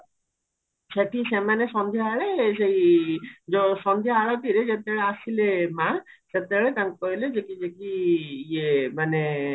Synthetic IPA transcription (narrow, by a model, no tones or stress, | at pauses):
seʈʰisemaneʃɔnd̪ʱjaaɭeʃej | d͡ʒosɔnd̪ʱjaaɭat̪iɾed͡ʑet̪eɭeasilemãset̪ɛɭet̪ãnkɔiled͡ʒekid͡ʒekiiemane